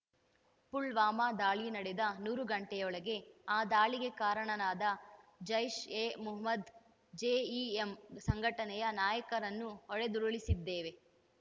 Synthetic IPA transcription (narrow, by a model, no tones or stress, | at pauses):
puɭʋaːmaːd̪aːɭinɐɽed̪ɐnuːɾuɡɐɳʈɛjɔɭɐɡe̞aːd̪aːɭiɡekaːɾɐɳɐnaːd̪ɐd͡ʒɐjʃeːmuɦɐmɐd̪ | d͡ʒeːiːemsɐŋɡʱɐʈɐnɛjɐnaːjɐkɐɾɐnːuɦɔɭed̪uɾuɭisid̪ːeːʋe̞